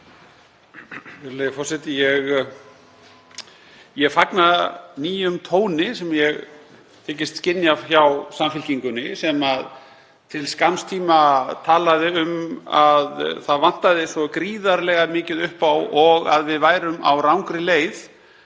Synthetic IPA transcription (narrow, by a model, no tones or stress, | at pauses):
ɛɾljɪfɔrsɛt̪ɪjɛɣ | jɛɣfaknaniːjʏmt̪ʰoːwnɪsɛmjɛɣ | t̪ʰɛːc̬ɪst̪scɪnːjavçawsamfɪlciŋkʏnɪsɛmað | t̪ʰɪlskanst̪ʰiːmat̪ʰaːlaðɪʏmaðθaðvan̥t̪aðɪsɔkɾiːðaɾlɛɣamɪːcɪðʏhpawɔɣa̰ðvɪðvaːjɾʏma̰wɾawŋkɾɪleːjθ